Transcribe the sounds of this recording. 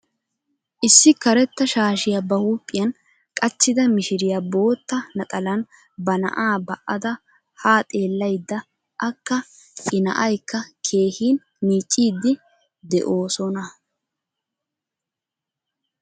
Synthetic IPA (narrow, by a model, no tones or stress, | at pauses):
ʔɪsːɪkɐɾɛt̪ːɐʃaːʃɪjɐbɐhuːpʼːɪjɐn | kʼɐt͡ʃːɪd̪ɐmɪʃɪɾɪjɐbo̞ːt̪ːɐnɐt̪ʼɐlɐn | bɐnɐ̰ʔaːbɐʔɐd̪ɐ | haːt̪ʼe̞ːlːɐjd̪ːɐ | ʔɐkːɐ | ɪnɐ̰ʔɐjkːɐkʰe̞ːhiːn | niːt͡ʃʼːiːd̪ːɪ | d̪ɛ̰ʔo̞ːsɔnɐ